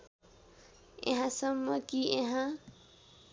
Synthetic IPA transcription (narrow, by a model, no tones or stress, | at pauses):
ḛɦãsʌmːʌkieɦã